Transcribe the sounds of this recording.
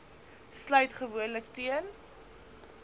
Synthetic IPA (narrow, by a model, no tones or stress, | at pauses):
slœɥtχəvuənləktiən